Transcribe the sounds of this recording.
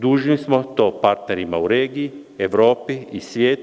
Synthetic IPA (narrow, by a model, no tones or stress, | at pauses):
d̪uːʒnismot̪oːpaɾt̪neɾimauɾeːɡii | eʋɾoːpiisʋʲjeːt̪